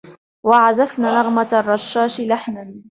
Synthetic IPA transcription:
waʕazafnaːnɑɣmarˤːɑʃːaːʃlaħnan

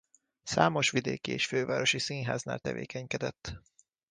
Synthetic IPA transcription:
saːmo̞ʃʋid̪eːkieːʃføːvaːɾo̞ʃisinɦaːzna̰ːlt̪ɛvḛːkɛɲkɛd̪ɛt̪ː

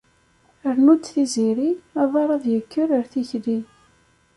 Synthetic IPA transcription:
əɾnut̪ːθiziɾiæðˤɑɾˤɑðjəkʰːəɾəɾθiçli

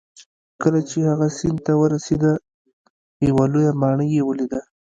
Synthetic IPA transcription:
kəlat͡ʃehaɣasɪnd̪t̪awəɾased̪a | jawalojamɑɳəjːewəlid̪a

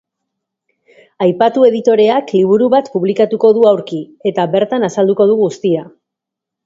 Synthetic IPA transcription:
ajpat̪ue̞ðit̪o̞ɾe̞akliβ̞uɾuβat̪puβlikat̪uko̞ðuawɾkie̞t̪aβe̞ɾt̪anasald̪uko̞ð̞uɣust̪ia

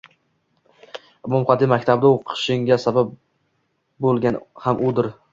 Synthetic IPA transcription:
mʊmχɑd̪ɪmakʲt̪ʰabd̪aoqʰɨ̥ʃɪŋɡʲasabab̚ | bolˠɡʲanhamʔʊd̪ɪɾ

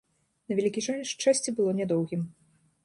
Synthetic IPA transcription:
nɐvʲɛlʲikʲiʐɔnʲɛʂt͡ʂːasʲt͡sʲibɨlˠɔnʲɛd̪ɔwɣʲim

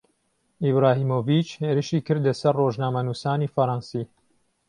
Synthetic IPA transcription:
ibɾaːɦiːmoːvit͡ʃheːɾɨʃiːkɨɾd̪ɐsɐrːoːʒnaːmɐnuːsaːnifɐɾɑnsiː

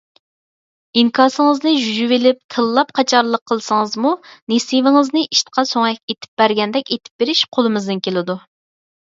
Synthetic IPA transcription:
iŋkʰɑːsɨŋəznɨʒyd͡ʒyvelɪp̚kʲʰəlˠːɑp̚qʰɑt͡ʃʰɑɾlˠəqʰːəlˠsɨŋəzmunesivɪŋɨznɨʔiʃt̪ə̥qʰɑsoŋɛkʲet̪ʰɪ̥p̚b̥æɾɡʲɛnd̪ɛkʲet̪ʰɪ̥p̚b̥eɾɪʃqʰolˠɨmɨzd̪ɪnkʲelɪd̪u

